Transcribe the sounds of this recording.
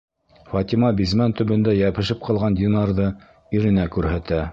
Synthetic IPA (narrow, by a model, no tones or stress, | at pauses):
fɑt̪ʲimɑbizmænt̪ɵ̆βɘ̆nd̪æjæpɘ̆ʃɘp̚qʰɑlˠʁɑnd̪ʲinɑɾðɤ | iɾɘ̆nækʉɾhæt̪æ